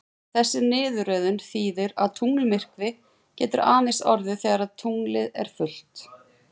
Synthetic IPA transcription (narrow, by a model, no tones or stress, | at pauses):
θɛsːɪnɪːðʏɾœːðʏnθiːðɪɾaðt̪ʰuŋlmɪr̥kvɪ | cɛːt̪ʏɾʔaːnɪsɔɾðɪθɛːɣaɾaðt̪ʰuŋlɪðɛ̰ɾ̥fʏl̥t̪